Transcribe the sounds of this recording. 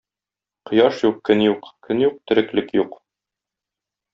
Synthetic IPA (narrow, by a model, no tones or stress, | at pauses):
qɤ̆jɑʃjuqkɵnjuqkɵnjuq̚t̪ɘ̆ɾɘ̆klɘkjuq